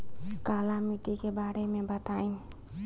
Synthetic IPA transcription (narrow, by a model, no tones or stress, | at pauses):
kalamiʈikebaɽemebət̪ain